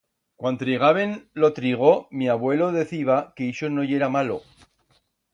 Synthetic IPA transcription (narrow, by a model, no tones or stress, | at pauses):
kwant̪ɾiɣ̞aβe̞nlo̞t̪ɾiɣ̞o̞miaβwe̞lo̞ðe̞θiβakeiʃono̞ʝe̞ɾamalo̞̰